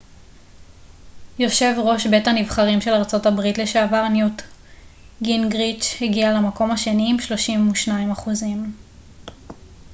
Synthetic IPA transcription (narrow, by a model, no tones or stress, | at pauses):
jo̞ʃe̞vʁo̞ʃbe̞tanivχaʁimʃe̞laʁt͡so̞tabʁitle̞ʃaːvaʁnjut | ɡinɡʁit͡ʃheɡialamako̞maʃe̞niːmʃlo̞ʃimuʃnaimaχuzim